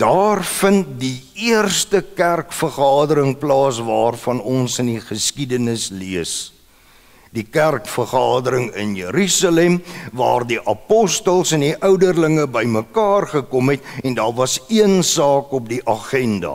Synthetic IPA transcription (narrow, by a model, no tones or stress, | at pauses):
d̥ɑːrfənt̚di | iərstəkærkfərχɑːdəɾəŋplɑːsvɑːrfɐnɔnsəndiχəskidənəsliəs | dikærkfərχɑːdəɾəŋə̰njəɾysɑlɛmvɑ̰ːrdiʔɐpɔstəlˠsɛndiʔœwdərləŋəbəjməkɑːrχəkɔmɦɛtɛndɑːrvɐsiənsɑːkɔp̚diʔɐχɛndɐ̰